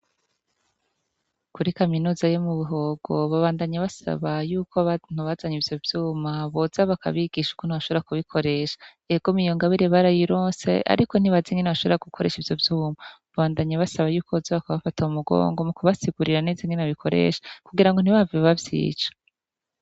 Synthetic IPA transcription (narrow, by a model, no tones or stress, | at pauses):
kuɾikaminuːzajomuβuɦo̞ɡ̥o̞βaβaːndaɲaβasa̰βajuːkʰo̞n̥uβazaɲivjo̞vjuːmaβo̞zaβaka̰βiɡ̥iʃu̥kon̥iβaʃoβɾeɾakuβikʰo̞ɾe̞ʃḁ | eɡ̥o̞mijoŋɡaβiɾeβaɾajiɾoːse̞̰ʔa̰ɾiko̞n̥iβaziŋɡeneβaʃo̞βɾaɡukʰo̞ɾe̞̰ʃivjo̞vjuːmaβaβaːndaɲaβasaβajuːkozaβakaβafataumuɡo̰ːŋɡo̞mukuβasiɡuɾiɾaneːziŋɡenaβikʰo̞ɾḛːʃḁkuɡiɾaŋɡo̞n̥iβaviβavjḭːt͡ʃḁ